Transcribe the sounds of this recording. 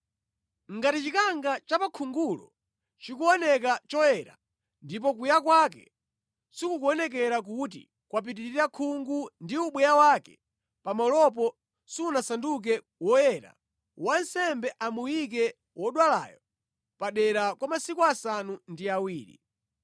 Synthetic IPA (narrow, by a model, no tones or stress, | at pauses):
ŋɡatit͡ʃikaŋɡat͡ʃapakʰuŋɡulɔ̰ | t͡ʃikuɔnɛk̬at͡ʃɔjɛɾa̰ | ndip̬ɔkujak̬wak̬ɛ̰ | sikukuɔnɛk̬ɛɾak̬ut̬ḭ | kwap̬itiɾiɾakʰuŋɡundiuɓwɛjawakɛ̥ | pamɔlɔp̬ɔ | siunasanduk̬ɛ | wɔjɛɾa̰ | wansɛmbɛʔamujik̬ɛ | wɔɗwala̰jɔ | paɗɛɾakwamasikuasanundiawiːɾḭ